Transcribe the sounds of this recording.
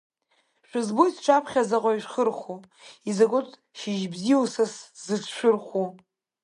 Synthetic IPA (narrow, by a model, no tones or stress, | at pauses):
ʃᶣʷʊzbojsʈ͡ʂʰapʰχʲazaqʼaiʃʷᶣχərχu | izaɡʷʊtʼ | ʃiʒbziwsaszɨʈ͡ʂʰʃʷᶣʊrχʷu